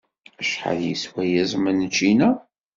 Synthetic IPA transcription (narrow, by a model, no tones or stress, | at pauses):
æʃħə̰ðjiswæjæzˤmənət͡ʃːinæ